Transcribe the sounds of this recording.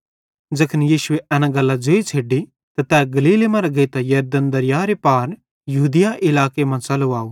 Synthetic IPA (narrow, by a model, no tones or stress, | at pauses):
d͡ʒɐkʰənjiːsʊeʔɛːnãɡɐlːad͡ʒoit͡ʃʰeːɖi | t̪at̪ɛːɡɐliːlemɐ̃ɾɐɡɐit̪ajɐɾd̪ənd̪ɐɾɪjaːɾepaːɾ | jɐɦuːd̪ɪjaʔɪlaːkemãt͡ʃɐloaːo